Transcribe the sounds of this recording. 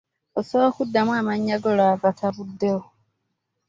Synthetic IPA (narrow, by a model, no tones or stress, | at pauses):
osokudːamwaːmaɲːaɡolaβatʰaβudːe